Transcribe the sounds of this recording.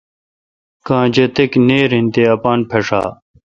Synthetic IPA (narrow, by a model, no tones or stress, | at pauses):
kãːd͡ʑet̪ekneːɾĩnt̪eɐpaːnpʰeʂa̰ː